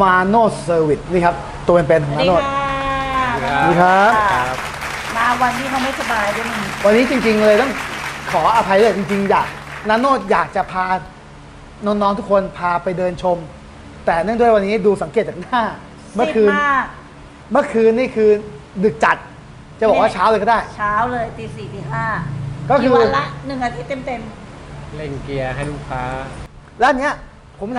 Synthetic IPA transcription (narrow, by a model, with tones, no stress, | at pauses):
maː˧noː˥˩sɤː˧wi˨˩t̪̚niː˥˩kʰa˦˥p̚ | t̪ːu˧peː˧npe˧nkʰɔ˨˩˦naː˧noː˥˩t̪̚ː | diː˧˩kʰa˦˥p̚p̚ | baː˧wa˧nːiː˦˥ma˥˩ma˥˩jsa˧baː˧jda˥˩ma˥˩wa˧nːiː˦˥t͡ɕi˧ŋt͡ɕi˧ŋlɤː˧jt̪ɔ˥˩ŋkʰɔː˩˦ʔa˧pʰa˧jduː˥˩jt͡ɕi˧ŋt͡ɕi˧ŋjaː˨˩k̚naː˧˥noː˥˩t̪̚jaː˨˩k̚t͡ɕa˨˩pʰaː˧ | nɔ˦˥nːɔː˦˥ŋt̪ʰu˦˥kʰo˧npʰaː˧pa˧jdɤː˧nt͡ɕʰo˧m | t̪ɛː˨˩nɯ˥˩˨ŋdu˥˩ə˨jwa˧nːiː˦˥duː˧sa˩˦ŋkeː˨˩t̪̚t͡ɕa˨˩naː˥˩ | mɯ˥˩˨kʰɯː˧na˥˩ | mɯ˥˩ɐkʰɯː˧nːiː˥˩kʰɯː˧ndɯ˨˩k̚t͡ɕa˨˩t̪̚ | t͡ɕa˨˩bɔː˨˩kwaː˥˩t͡ɕʰaː˦˥wlːkɔ˥˩daː˥˩jt͡ɕʰaː˦˥wlɤː˧jt̪iː˧˩siː˨˩t̪iː˨˩kaː˥˩kɔ˥˩kkʰɯː˧la˦˥nɯ˨˩ŋʔa˧t̪ʰiː˦˥t̪e˧˩mt̪e˧mle˧˩ŋki˧ɐɦa˥˩jluː˦˥˩kʰaː˦˥ | lɛ˦˥ʔa˧ni˦˥ɐ | pʰo˩˦m